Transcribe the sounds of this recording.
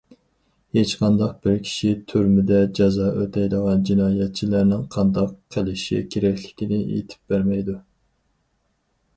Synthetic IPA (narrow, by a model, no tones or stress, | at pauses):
het͡ʃqʰɑnd̪ɑq̚b̥ɪɾkʲʰi̥ʃit̪ʰyɾmɪd̪ɛd͡ʒɑzɑːʔøt̪ʰɛjd̪əʁɑnd͡ʒinɑːjɛt̪̚t͡ʃʰilæɾnɪŋqʰɑnd̪ɑqʰːəlɪʃḭkʲʰeɾɛkʲlɪ̥kʲinɪḛt̪ʰɪ̥p̚bæɾmɛjd̪u